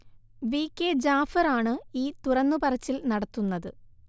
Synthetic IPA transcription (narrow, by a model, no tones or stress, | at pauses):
ʋiːkːed͡ʑaːfɐraːɳɨiːt̪urɐnːupɐrɐt͡ɕːilnɐɽɐt̪ːunːɐðɨ